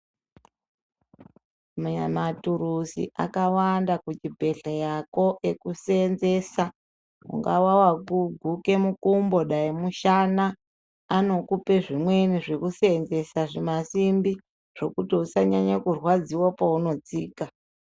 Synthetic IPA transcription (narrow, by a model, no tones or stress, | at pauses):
mamatuɾusḭʔa̰kawandakut͡ʃibʱe̞ɬajako̞ʔekuse̞nze̞sa | ṵŋɡawawakuɡʱuke̞mukumbo̞ɗaimuʃanaː | no̞kupe̞ʐimwe̞niʐe̞kuseenze̞saʐimasimbi | ʐ̥o̞kutiusaɲaɲakurwad͡ziwapauno̞t͡siːka